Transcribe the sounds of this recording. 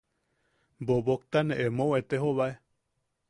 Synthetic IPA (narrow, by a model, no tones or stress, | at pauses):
boβok̚t̪aneʔemõwet̪eɦoβae